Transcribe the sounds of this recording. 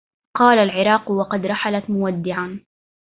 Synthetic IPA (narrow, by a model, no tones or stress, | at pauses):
qɑːlalʕɪɾˤɑːqwɑqɑd̪ɾˤɑħalat̪mʊwad̪ːɪʕan